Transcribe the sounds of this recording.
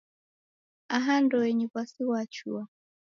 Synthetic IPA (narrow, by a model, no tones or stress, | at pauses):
aɦandɔɛɲikwasiwat͡ʃua